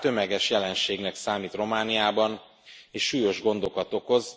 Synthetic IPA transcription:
t̪ø̞mɛɡɛʃjɛlɛnʃeːɡnɛksaːmiːt̪ro̞maːnijaːbɒn | eːʃːuːjo̞ʒɡo̞nd̪o̞kɒt̪o̞ko̞z

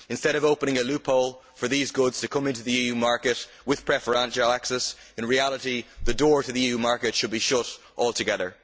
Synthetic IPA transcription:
ɨ̃nstɛɾʌvoʊpənɪ̃ŋəlʉpʰoʊlˠfə˞ðizɡʊdz̥tʰɨkʰʌ̃mɪ̃ntʉðəiːjʉmaɹkɨʔ | wɪð̥pʰɹ̥ɛfə˞ãnʃəlˠaksɛs | ɨ̃nɹialˠəɾiðədɔɹtɨðiijʉmaɹkɨtʃɨd̚biʃʊɾ | ʔɔlˠtʰɨɡɛðə˞

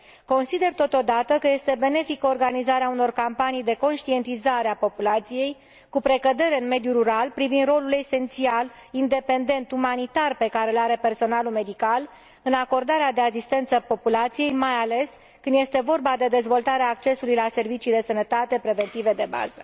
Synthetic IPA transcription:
ko̞nsid̪e̞rt̪o̞t̪o̞d̪at̪əkəje̞st̪e̞be̞ne̞fikəorɡanizaɾeauno̞rkampanijd̪e̞ko̞nʃt̪ie̞nt̪izaɾeapo̞pulat̪sije̞j | kupɾe̞kəd̪e̞ɾe̞ɨnme̞d̪juɾuɾalpɾivind̪ro̞lule̞se̞nt̪sialind̪e̞pe̞nd̪e̞nt̪umanit̪arpe̞kaɾe̞ulaɾe̞pe̞rso̞nalume̞d̪ikal | ɨnako̞rd̪aɾead̪e̞as̬ist̪ent̪səpo̞pulat̪sije̞jmajale̞s | kɨnd̪je̞st̪e̞vo̞rbad̪e̞d̪e̞zvo̞lt̪aɾeaːkt͡ʃe̞sulujlase̞rvit͡ʃijd̪e̞sənət̪at̪e̞pɾe̞ve̞nt̪ive̞d̪e̞ba̰zə

